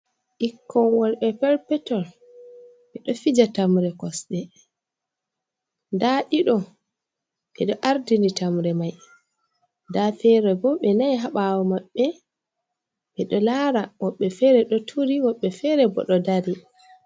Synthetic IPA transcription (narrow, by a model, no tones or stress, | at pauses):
ʔikːɔnwɔlɓɛpɛɾpɛtɔl | ɓɛɗɔfid͡ʒatamɾɛkɔsɗɛ | daɗiɗɔ | ɓɛ̰ɗɔʔaɾdinditamɾɛmaj | dafɛɾɛbɔɓɛnajɦaɓawɔmaɓːɛ | ɓɛɗɔlaɾawɔɓːɛfɛɾɛɗɔtʰuɾiwɔɓːɛfɛɾɛbɔ̰ɗɔdaɾi